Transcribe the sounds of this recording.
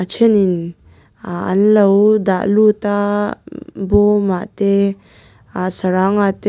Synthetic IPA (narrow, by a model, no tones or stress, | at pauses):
at͡ʃʰɛnin | aɐ̰nlɐwd̪a̰ʔlut̪a | bɔmaʔt̪e | asɐɾaŋat̪e